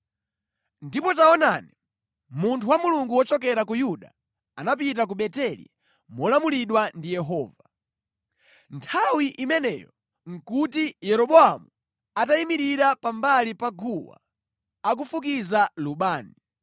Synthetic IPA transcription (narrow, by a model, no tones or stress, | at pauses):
ndipɔtaɔna̰ni | muntʰuwamuluŋɡuwɔt͡ʃɔkɛɾakujuɗa̰ | anap̬it̬ak̬uɓɛtɛlḭ | mɔlamuliɗwandijɛɦɔːva | ntʰawiʔimɛnɛ̰jɔ | ŋ̩kutijɛɾɔɓɔamu | ataimiɾiɾapambalipaɡuwa̰ | ak̬ufuk̬izaluɓaːni